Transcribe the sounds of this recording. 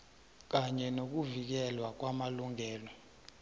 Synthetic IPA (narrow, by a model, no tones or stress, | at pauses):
k̬aɲɛnok̬uvik̬ɛlwak̬wamaluŋɛːlɔ